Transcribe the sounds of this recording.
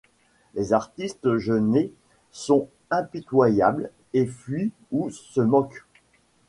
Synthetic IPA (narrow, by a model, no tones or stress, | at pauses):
lezaʁt̪ist̪ʒəne | sɔ̃ | ɛ̃pit̪wajabl | efɥi | usəmɔk